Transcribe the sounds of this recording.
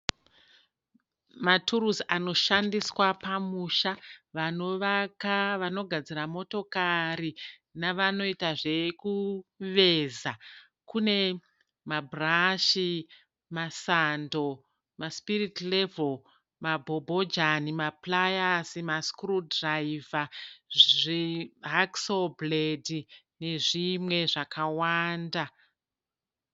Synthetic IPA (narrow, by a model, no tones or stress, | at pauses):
matʰuɾuzano̞ʃandiswapamuʃaʋano̞ʋakaʋano̞ɡʱad͡ziramo̞to̞kaɾinaʋano̞itaʐe̞kuʋe̞za | kune̞ | mabʱraʃi | masando̞ | maspiritlevol | mabʱobʱod͡ʒanimaplajasimaskrudraiva | ʐiɦaksobledi | ne̞ʐimwe̞ʐakawaːnda